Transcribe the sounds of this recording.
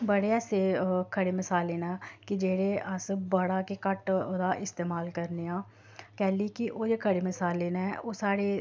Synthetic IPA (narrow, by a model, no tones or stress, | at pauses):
bəɽeːɛːseːkʰəɽeːmɪsaːleːnaːkid͡ʒeːɽeːʔəsbəɽaːkekəʈd̪aːʔɪst̪eːmaːlkəɾneːãː | kɛːlikiʔoːd͡ʒeːkʰəɽeːmɪsaːlːeːnaʔoːsaːɽeː